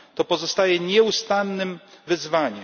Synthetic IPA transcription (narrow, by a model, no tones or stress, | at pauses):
t̪ɔpɔzɔst̪ajɛɲɛust̪anːɘmvɘzvaɲɛ